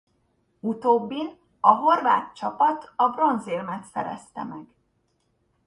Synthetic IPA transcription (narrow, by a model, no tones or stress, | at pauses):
ut̪oːbːin | ɒɦo̞rva̰ːt̪t͡ʃɒpɒt̪ɒbro̞nzelmɛt̪sɛ̰ɾɛ̰st̪ɛ̰mɛɡ̥